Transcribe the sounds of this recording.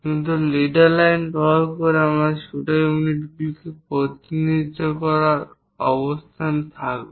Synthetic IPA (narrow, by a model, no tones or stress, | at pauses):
kint̪̬uleɖaɾlajnpɔlkoɾeamɾaɾʃuʈajuuniʈbikepɾot̪inid͡ʒokɔɾaɾ | ɔbost̪ʰant̪ʰakbe